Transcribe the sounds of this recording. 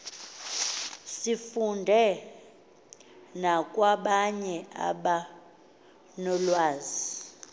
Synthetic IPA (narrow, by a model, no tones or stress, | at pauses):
sifundʱɛ | nakʼwaɓaɲɛa̰ɓa | nɔlwaːzi